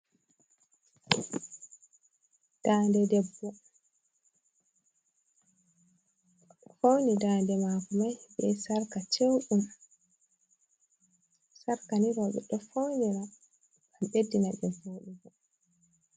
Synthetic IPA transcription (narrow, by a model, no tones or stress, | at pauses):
d̥aːndɛdɛbːɔ | fownidaːndɛmakumajbɛ̰saɾkat͡ʃewɗum | saɾkaniɾɔɓɛ̰ɗɔfowniɾa | kamɗedːinaɗɛboɗubɔ